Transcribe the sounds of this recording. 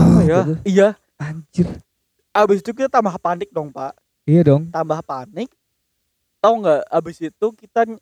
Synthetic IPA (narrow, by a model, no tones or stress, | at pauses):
jaija | aɲd͡ʒɪr | abɪsit̪ukit̪at̪ambahpanɪk̚dɔŋpaʔ | ijadɔŋt̪ambahpanɪk̚ | t̪ɔŋɡaʔabɪsit̪ukit̪a